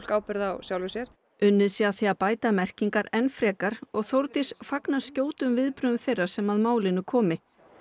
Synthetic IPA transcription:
kaːwpɛɾða̰wsjawlvɪsjɛɾ̥ | ʏnːɪðsiaθiapaːjt̪amɛr̥ciŋkaɾɛnfɾɛːkaɾ̥ɔɣθowɾt̪ɪsfaknḁscoːwt̪ʏmvɪðpɾʏðʏmθejrḁsɛmaðmaːwlɪnʏkʰɔːmɪ

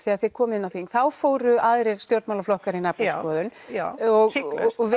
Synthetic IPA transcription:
θiaðθɪkʰɔːmɪnawθiŋθawfoːwɾʏaðɾɛɾ̥st̪jowɾt̪mawlaflɔhkaɾɪnapnɪskɔːðʏnɔɣɔɣvɪ

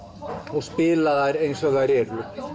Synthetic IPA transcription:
ɔɣspɪːlaðaɾejnsɔɣðaɾɛːɾʏ

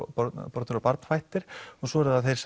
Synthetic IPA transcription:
ɔpɔɾt̪ʏɾapaɾt̪n̥fajht̪ɪɾ̥ɔɣsɔɛɾðaðθejɾ̥s

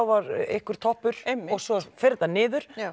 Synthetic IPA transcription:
awvaɾɪ̰hkʏɾ̥t̪ʰɔhpʏɾ̥ɔɣsɔfɪɾt̪anɪːðʏɾ̥

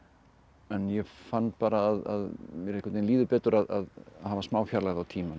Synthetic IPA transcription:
ɛnjɛfant̪̚paːɾaːða̰ðmjɛɾehkʰat̪ejnliːðʏpɛːt̪ʏɾaða̰ðhavasmaːwfjaɾlaːɣðawt̪ʰiːman

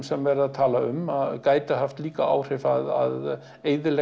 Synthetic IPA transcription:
msɛmvɛɾɪðaðt̪ʰaːlaʏmakaːjt̪ɪɦaft̪liːkaa̰ːwr̥ɪfaða̰ð | eːjðɪlɛ

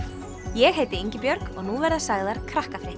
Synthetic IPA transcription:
jɛɣɦeːjt̪ɪeɲcɪpjœɾkɔɣnuvɛɾðasaɣðaɾ̥kʰɾahkafɾɪht̪

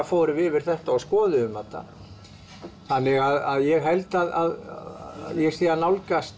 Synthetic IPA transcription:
afɔːɾʏvɪvɪɾ̥θɛht̪aɔskɔːðɪʏmat̪a̰ | θanːɪɣaðaðjɛɣɦɛlt̪aða̰ð | jɛsθiːanawlkast̪

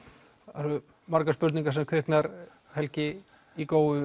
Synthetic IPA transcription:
aɾʏ | maɾkaspʏɾt̪niŋkas̬ɛmkʰvʏhknaɾ | hɛlcɪ | ikoːwðʏ

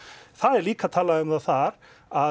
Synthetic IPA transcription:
θaðɛɾliːkat̪ʰaːlaðʏmðaθaɾ | a

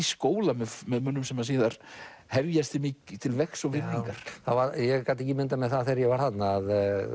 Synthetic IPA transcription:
iskoːwlamɛðmɛðmʏnːʏmsɛmːas̬iːðaɾ̥ | hɛvjast̪ɪmɪːcɪt̪ʰɪlvɛksɔɣvɪnːiŋkaɾ̥θaðvaɾjɛkat̪ɛcːɪmɪnt̪amɛðθaθejɾjɛvaɾ̥hannːaːð

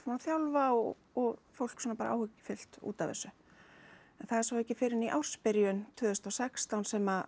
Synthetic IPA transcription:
fmaθjawlvaɔ | ɔɣfowl̥ksɔːnapaːɾa̰ʔa̰ːwhʏcːɪ̥fɪl̥t̪ṵːt̪avɛ̰sʏ | ɛnθaðɛɾsawɛcːɪfɪɾɪniʔawr̥spɪɾjʏnt̪ʰʏːðʏst̪awsɛkst̪awnsɛma

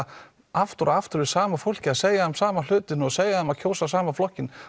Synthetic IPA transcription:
aft̪ʏɾaaft̪ʏɾɪsaːmafowl̥cɪaðseːjahamsaːmal̥ʏːt̪ɪnɔɣseːjahamaðcʰoːwsasaːmaflɔhcːɪn

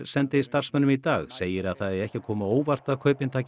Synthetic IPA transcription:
sɛnt̪ɪst̪ar̥smɛnʏmit̪aːɣseːjɪɾaðθaðɛɾɛhcɪkʰɔːmaoːwvar̥t̪aðkʰœɥpɪnt̪ʰaːc

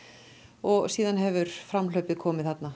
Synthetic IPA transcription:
ɔɣsiːðanɦɛvʏɾ̥fɾamlœɥpɪðkʰɔːmɪðθhat̪na

